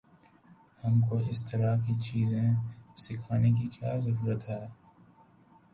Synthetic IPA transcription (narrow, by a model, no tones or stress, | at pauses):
hɐmkoɪst̪ɐɾakit͡ʃiːzẽsɪkʰaːnek̬ikjaːzɐɾuːɾət̪ɦɛː